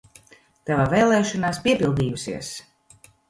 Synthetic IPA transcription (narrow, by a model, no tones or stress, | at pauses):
t̪avavɛːlˠɛːʃɔnaːspʲiɛpilˠd̪iːjusḭɛs